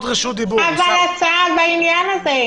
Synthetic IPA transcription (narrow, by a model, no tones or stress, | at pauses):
d̪ʁiʃud̪ibuavalat͡sadbainjanaze